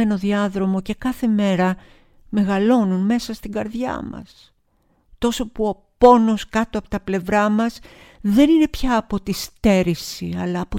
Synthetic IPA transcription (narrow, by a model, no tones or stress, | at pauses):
e̞no̞ðiɐðɾo̞mo̞ce̞kɐθe̞me̞ɾɐ | me̞ɣɐlo̞nunme̞sɐst̪iŋɡɐɾðʝɐ̰mɐ̰s | t̪o̞so̞puo̞po̞no̞skɐt̪oɐpo̥t̪ɐple̞vɾɐmɐs | ðe̞nine̞pçɐːpo̞t̪ist̪e̞ɾisiɐlɐːpo